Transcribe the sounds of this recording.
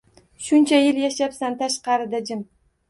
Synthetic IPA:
ʃʊnt͡ʃʰajɪljaʃapsant̪ʰaʃqɑɾɪd̪ad͡ʒɪm

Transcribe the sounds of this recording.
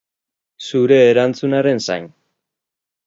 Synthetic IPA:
suɾe̞ːɾant͡sunaɾe̞nsa̰jn

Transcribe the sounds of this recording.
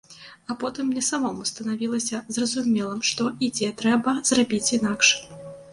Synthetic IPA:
apɔt̪ɨmːnʲɛsamɔmust̪ɐnavʲilˠɐsʲɐzrɐzumʲɛlˠɐmʂt̪ɔʔid͡zʲɛt̪ɾɛbɐzrabʲit͡sʲinakʂ

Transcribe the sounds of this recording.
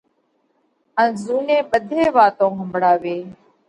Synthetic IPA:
ənzuːnẽːɓəd̪ʱeːʋaːt̪õːɦəmbʱɽaːʋeː

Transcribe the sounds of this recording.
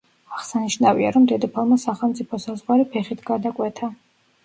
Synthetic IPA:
aʁsaniʃnavia̰ɾɔmd̪ɛd̪ɔpʰalˠmasaχɛlˠmt̪sʼipʰɔsazʁwaɾipʰɛχit̪ʰɡad̪akʼwɛt̪ʰa

